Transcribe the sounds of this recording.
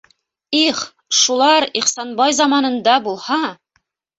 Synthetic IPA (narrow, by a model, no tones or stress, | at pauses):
iχ | ʃulˠɑɾiχsɑnbɑjzɑmɑnɤ̆nd̪ɑbulˠhɑ